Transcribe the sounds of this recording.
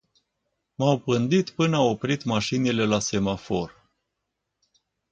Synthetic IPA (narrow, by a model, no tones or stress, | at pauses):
mawpɨnd̪it̪pɨnao̞pɾit̪maʃinile̞lase̞mafo̞r